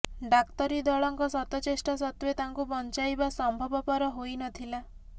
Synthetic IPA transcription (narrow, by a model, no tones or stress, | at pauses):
ɖakt̪ɔɾid̪ɔɭɔŋkɔsɔt̪ɔt͡ʃesʈɔsɔt̪wet̪aŋkubɔnt͡ʃajbasɔmbʱɔbɔpɔɾɔɦojnɔt̪ʰila